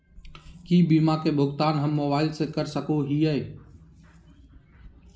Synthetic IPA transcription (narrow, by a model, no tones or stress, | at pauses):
kiːbiːmaːkeːbʱʊɡt̪aːnɦəmːobaːɪlsekəɾsəkoɦiːəeː